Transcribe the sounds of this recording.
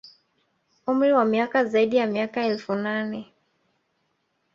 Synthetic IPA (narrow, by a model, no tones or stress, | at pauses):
um̩ɾiwamiakazaiɗijamiakaɛlfunanɛ